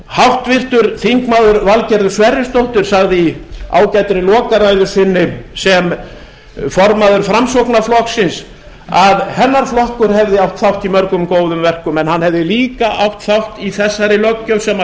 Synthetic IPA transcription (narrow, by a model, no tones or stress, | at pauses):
hawht̪vɪr̥t̪ʏɾθiŋkmaðʏɾvalcɛɾðʏ̥svɛɾjɪst̪owht̪ʏɾ̥saɣðɪia̰ːwcɛt̪ɾɪlɔːkaɾajðʏɾ̥sɪnːɪsɛm | fɔɾmaðʏɾfɾamsowknaflɔhksɪns | aðhɛnːaɾ̥flɔhkʏɾhɛvðɪawht̪θawht̪imœɾkʏmkoːwðʏmvɛr̥kʏmɛnhanhɛvðɪliːkaʔawht̪θawht̪iθɛsːaɾɪlœcːœwsɛma